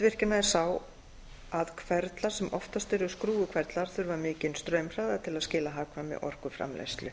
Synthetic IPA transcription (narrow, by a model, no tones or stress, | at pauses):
vɪr̥cɪnaðɛɾ̥saw | aðkʰv̥ɛɾt̪laɾ̥sɛmʔɔft̪ast̪ɪɾðʏskɾuːʏkʰvɛɾt̪laɾ̥θʏɾvaɾmɪːcɪnst̪ɾœːɥmr̥aːɣðat̪ʰɪlaðscɪːlaɦaːkʰvamɛ̰ʔɔ̰r̥kʏfɾa̰mla̰jst̪lʏ